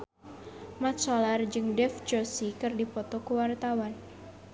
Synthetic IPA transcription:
mat̪̚sɔlard͡ʒɨŋdɛft͡ʃosikɨrdipɔt̪ɔkuwart̪awan

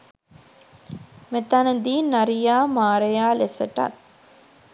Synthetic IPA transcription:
met̪anəd̪iːnaɾijaːmaːɾəjaːlesəʈa̰t̪̚

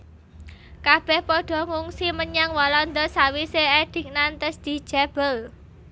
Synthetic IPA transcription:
kab̥ɛ̤hpɔɖ̥ɔ̤ŋuŋsiməɲaŋwɔlɔnd̪ɔsawiseeɖ̥ɪ̤k̚nant̪əsd̪̥i̤̥ʒ̥ab̥əl

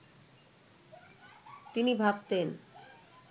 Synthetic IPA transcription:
t̪inibʱabt̪en

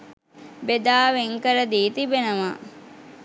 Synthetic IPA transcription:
bed̪aːʋeŋkəɾəd̪iːt̪ibenəʋa

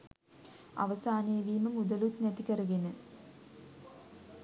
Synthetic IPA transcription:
a̰ʋɐsaːnejɐʋiːməmud̪ɐlut̪næt̪ikəɾɐɡenə

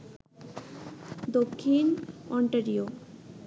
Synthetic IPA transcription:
d̪okʰːinɔɳʈaɾio

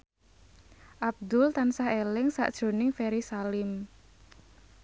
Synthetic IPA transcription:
ʔab̚d̪ʊlt̪ansaɦelɪŋsa̰ʔd̥ʒ̥o̤nɪŋfeɾisalɪm

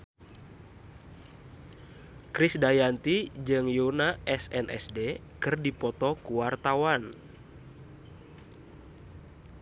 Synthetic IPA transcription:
kɾisdajant̪id͡ʒɨŋjunaʔɛsɛnʔɛ̰sde | kɨrdipɔt̪ɔkuwart̪awan

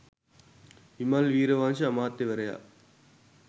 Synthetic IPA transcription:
imalʋiːɾɐʋaːnt͡ʃɐɐmaːt̪ːeʋɐɾɐja̰ː

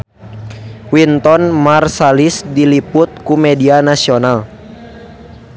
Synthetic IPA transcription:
wint̪ɔnmarsalisdilipʊt̪̚kumɛdianasional

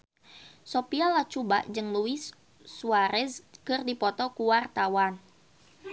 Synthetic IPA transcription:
sopialat͡ʃuba̰ʔd͡ʒɨŋluwisː | uaɾɛskɨrdipɔt̪ɔkuwart̪awan

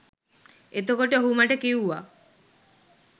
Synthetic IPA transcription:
et̪okoʈeɦumaʈekiwwa̰

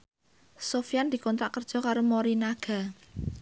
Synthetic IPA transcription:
sofijand̪̥i̤kɔnt̪ɾaʔkərd̥ʒ̥ɔ̤kaɾomoɾinaɡ̥a̤

